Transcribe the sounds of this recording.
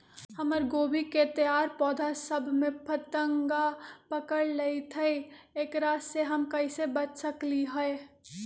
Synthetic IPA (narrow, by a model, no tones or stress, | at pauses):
həməɾɡoːbiket̪əjaːɾpɔːd̪ʱasəbʱmẽpʰət̪əŋɡapəkəɽleit̪ʰəieːkɾaːsseɦəmkɐisebət͡ʃsəkliɦəe